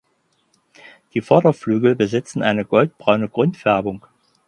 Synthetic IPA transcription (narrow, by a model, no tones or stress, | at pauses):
d̥iːfɔɐɾɐflyːɡl̩bəzɪt͡sn̩ʔaɪnəɡɔlt̚b̥ʁaʊnəɡ̥ʁʊntfɛɐbʊŋ